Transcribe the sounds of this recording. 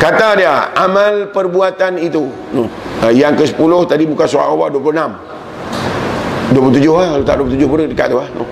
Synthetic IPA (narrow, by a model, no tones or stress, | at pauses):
kat̪adiaamalpərbuat̪anit̪u | nojaŋkəsə̥pulʊht̪adibukansoɾa̰ʔowa̰ʔduaplunam | duəplt̪ud͡ʒʊɦahkalot̪a̰ʔduop̬lt̪ud͡ʒʊhpuɾəkədəka̰ʔt̪uahno